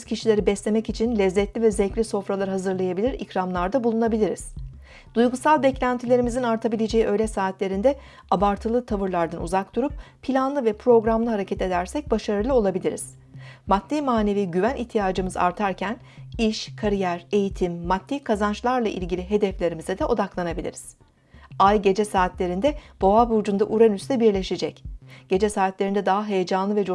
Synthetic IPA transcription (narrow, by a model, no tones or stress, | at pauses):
z̥cʰiʃilʲe̞ɾibɛslʲe̞mɛcit͡ʃʰinlʲɛzːɛt̪lʲivɛzːɛclʲiso̞fɾalˠaɾɯɦazɯɾlˠajabilʲiɾḭcɾamlˠaɾd̪abulˠunabilʲiɾiz̥ | d̪̥ujɡusalˠbɛclʲænt̪ʰilʲe̞ɾimizinaɾt̪ʰabilʲe̞d͡ʒe̞jiʔø̞jlʲɛsaːt̪lʲe̞ɾind̪ɛ | abaɾt̪ʰɯlˠɯt̪ʰavɯɾlˠaɾd̪anṵzak̚d̪uɾup̚pʰilʲanlˠɯvɛpʰɾo̞ɡɾamlɯɦaɾecʰɛt̪e̞d̪æɾsɛc̚baʃaɾɯlˠɯo̞lˠabilʲiɾḭz̥ | mat̪ːimaːne̞viːɟyvænʔiçt̪ʰijaːd͡ʒɯmɯza̰ɾt̪ʰaɾcʰæn | iʃkʰaɾijæɾe̞jit̪ʰimːat̪ːikʰazant͡ʃlˠaɾlˠaʔḭlʲɟilʲiɦe̞d̪ɛflʲe̞ɾimizɛd̪ɛʔo̞d̪aklˠanabilʲḭɾiz̥ | ajɟe̞d͡ʒɛsaːt̪lʲe̞ɾind̪ɛb̥o̞abud͡ʒund̪aʔuɾanyst̪ɛbiɾlʲe̞ʃed͡ʒɛcɟ̥e̞d͡ʒɛsaːt̪lʲe̞ɾind̪ɛd̪aɦaɦejed͡ʒanlˠɯvɛd͡ʒ